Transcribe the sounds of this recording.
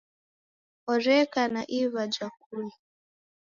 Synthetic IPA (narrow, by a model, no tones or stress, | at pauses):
ɔɾɛkanaʔiβad͡ʒak̚uli